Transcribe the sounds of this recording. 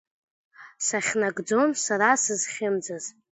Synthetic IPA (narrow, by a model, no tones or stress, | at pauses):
saχʲnaɡd͡zo̞nsaɾasɨzχʲɪmd͡zaz